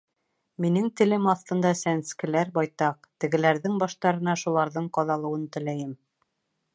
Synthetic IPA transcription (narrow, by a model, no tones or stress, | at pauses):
minɘŋt̪ɘ̆lɘmɑθt̪ɤ̆nd̪ɑsænskɘ̆læɾbɑjt̪ɑq̚t̪ɘ̆ɡɘ̆læɾðɘŋbɑʃt̪ɑɾɤ̆nɑʃulˠɑɾðɤɴqɑðɑlˠɤ̆wɤnt̪ɘ̆læjɘm